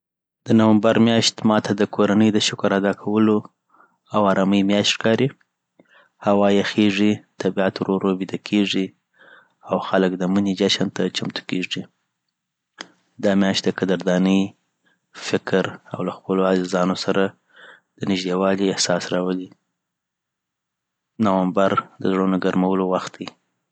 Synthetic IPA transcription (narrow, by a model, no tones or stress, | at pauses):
d̪̥ənawambaɾmjɑʃt̪mɑt̪ʰad̪əkʰoɾanəjd̪əʃʊkʊɾad̪ɑkʰawəlo | awɑɾɑməjmjɑʃt̪ʃkɑɾi | hawɑjexeʐit̪abiat̪oɾoɾobid̪akʰeʐi | awxaləkd̪əmunid͡ʒaʃant̪at͡ʃamt̪u̥keʐi | d̪ɑmjɑʃt̪̚d̪əkad̪aɾd̪ɑnəj | fɪkɾa̰wlaxpəloazɪzɑnosaɾa | d̪̥ənɪʒd̪ewɑliɪhsɑsɾɑwəli | nawambaɾd̪əzɽonaɡaɾmawəlowaxt̪̚d̪i